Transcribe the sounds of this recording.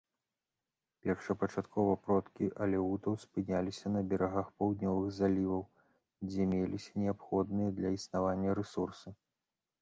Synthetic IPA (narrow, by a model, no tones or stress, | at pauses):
pʲɛrʂɐpɐt͡ʂat̪kʰɔvɐpɾɔt̪kʲiʔɐlʲɛut̪ɐwspɨnʲalʲisʲɐnɐbʲɛɾaɣaxpawd̪nʲɔvɨɣzalʲivɐw | d͡zʲɛmʲelʲisʲɐ̥nʲɛapxɔd̪nɨjɐd̪lʲɐisnavanʲːɐɾɛsursɨ